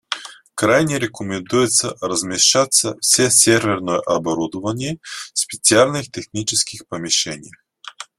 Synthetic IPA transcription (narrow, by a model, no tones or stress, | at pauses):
kɾajnʲɛɾɛkomʲɛnd̪ujɛt̪səɾɐzmʲɛʃat̪səfsʲɛsʲɛɾvʲɛɾnojɛʔɐbɐɾud̪ʊvɐnʲiɛspʲɛt̪sialʲnixt̪ɛxnʲit͡ʃɛskʲixpɐmʲiʃɛnʲijəx